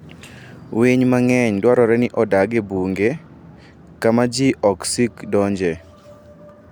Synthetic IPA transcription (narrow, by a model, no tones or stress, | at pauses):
weɲmaŋɛɲdwaɾɔɾɛnɪʔɔdaɡebuŋɡe | kamad͡ʒiʔɔksikdɔɲd͡ʒɛ